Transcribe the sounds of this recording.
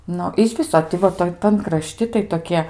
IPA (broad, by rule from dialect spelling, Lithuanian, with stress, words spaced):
ˈnʊ ɪʃ ˈʋʲɪsoː tʲɪ ˈʋɐ ˈtoːj tɐn krɐˈʃʲtʲɪ tɐɪ toːˈkʲiɛ